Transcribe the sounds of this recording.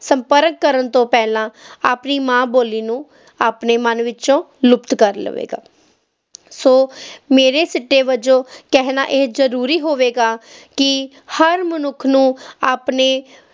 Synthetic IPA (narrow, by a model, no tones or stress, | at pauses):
səmpəɾəkːəɾənt̪õːpɛːlãːaːpniːmãːboːliːnũː | aːpneːmənʋɪt͡ʃõː | lʊpt̪kəɾlə̰ʋḛːɡa̰ː | soːmeːɾeːsɪʈːeːʋəd͡ʒõːkɛɦna̰ːʔeːzəɾuːɾiːɦoːʋeːɡaːkɪ | həɾmənʊkʰːnũːaːpneː